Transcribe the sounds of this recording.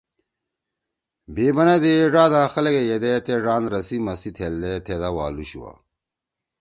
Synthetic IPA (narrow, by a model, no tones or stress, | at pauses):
beːbɐnɐd̪eʐaːd̪aːxɐlɐɡejed̪et̪eɖaːnɾɐsimɐsit̪ʰeld̪et̪ʰed̪ɐwaːluɕṵwa̰